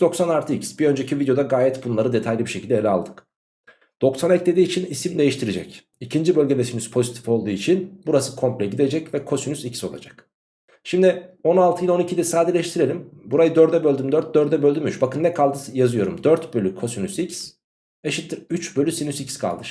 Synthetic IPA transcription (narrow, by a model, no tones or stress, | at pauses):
d̪̥o̞ksanaɾt̪ʰɯicsb̥iø̞nd͡ʒecivid̪jo̞d̪aɡaːjɛt̪bunlˠaɾɯd̪e̞t̪ʰajlʲibiʃecʰilʲd̪elʲɛa̰lˠd̪ɯk | d̪̥o̞ksanɛclʲe̞d̪iːt͡ʃʰinisimd̪e̞jiʃt̪ʰiɾed͡ʒɛ̰c | icʰind͡ʒibølʲɟelʲesynyspʰo̞zit̪ʰi̥fo̞lˠd̪uːit͡ʃʰinbuɾasɯ̥kʰo̞mplʲɛɟid̪e̞d͡ʒɛcvɛkʰo̞synyzicso̞̰lˠa̰d͡ʒak | ʃimd̪io̞nalˠt̪ʰɯjilˠo̞nicʰid̪ɛsaːd̪iɾlʲɛʃt̪ʰiɾe̞lʲimbuɾajɯd̪øɾd̪ɛbølʲd̪ymd̪øɾt̪̚d̪øɾtd̪ɛbølʲd̪ymyt͡ʃbakɯnːɛkʰalˠd̪ɯjazɯjo̞ɾṵmd̪øɾt̪bølʲykʰo̞synysics | eʃit̪ʰːiɾyt͡ʃbølʲysinysicskʰa̰lˠd̪ɯɾ